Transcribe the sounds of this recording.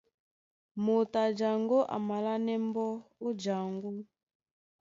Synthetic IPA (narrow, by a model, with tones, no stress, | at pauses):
mo˨ta˨d͡ʒa˨ŋɡo˦ʔa̰˨ma˨la˦nɛ˦m˦bɔ˦u˦d͡ʒa˨ŋɡu˦